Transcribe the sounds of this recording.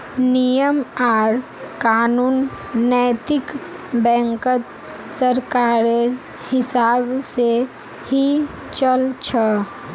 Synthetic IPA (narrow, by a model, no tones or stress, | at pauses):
nijəmaːɾ | kaːnuːnːəjt̪ɪkbɛ̃ːŋkət̪ | səɾkaːɾe | hɪsaːbse | hi | t͡ʃəlt͡ʃʰə